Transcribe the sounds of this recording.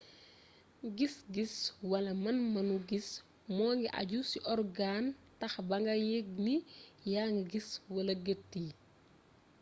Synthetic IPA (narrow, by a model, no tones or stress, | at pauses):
ɡisɡiswɐlɐmɐnmɐnuɡis | mɔːŋɡiʔɐ̰ɟusiʔɔrɡantɐxbɐŋɡɐjeɡ̚nijaŋɡiɡiswɐlɐɡətːi